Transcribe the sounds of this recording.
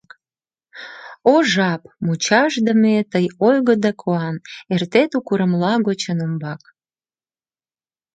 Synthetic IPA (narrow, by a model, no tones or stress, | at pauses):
oʒɑpmut͡ɕɑʒd̪əmet̪əjojɣəd̪ɑkʰoɑnert̪et̪ukuɾəmlɑɣot͡ɕənəmbɑk̚